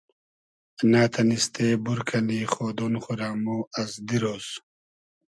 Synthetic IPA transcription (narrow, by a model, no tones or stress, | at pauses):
naːt̪ʰɐnist̪eːbuɾkʰɐliːχoːd̪onχuɾaːmoːɐzd̪iɾoːs